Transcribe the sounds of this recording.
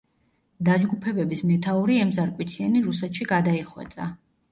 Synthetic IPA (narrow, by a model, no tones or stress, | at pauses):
d̪ad͡ʒɡupʰɛbɛbismɛt̪ʰauɾiɛmzaɾkʼwit̪sʰiɛniɾusɛt̪ʃiɡad̪aiχwɛ̰t̪sʼa̰